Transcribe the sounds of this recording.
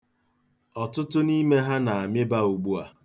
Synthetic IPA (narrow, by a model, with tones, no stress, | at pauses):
ɔ˨tʊ˦tʊ˦ni˦me˦ɦa˦na˨a˨mɪ˦ba˦u˨ɡ͡bu˦a˨